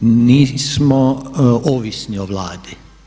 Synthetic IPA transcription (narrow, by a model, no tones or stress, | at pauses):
niːsmooʋisnioʋlaːd̪i